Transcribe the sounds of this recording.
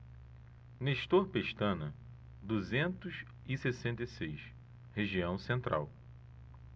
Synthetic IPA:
neʃt̪oɾpeʃt̪ɐ̃nɐ | d̪uzẽnt̪ʊʃ | ɪsesẽnt̪esejʃ | heʒiɐ̃w̃sẽnt̪ɾʔa̰w

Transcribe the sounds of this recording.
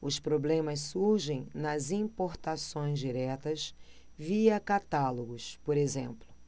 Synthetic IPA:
ʊspɾoblẽmɐsːuɾʒẽj̃nɐzĩpoɾt̪asõj̃zd͡ʒiɾɛt̪ɐs | viɐkat̪aloɡʊspoɾezẽmplʊ

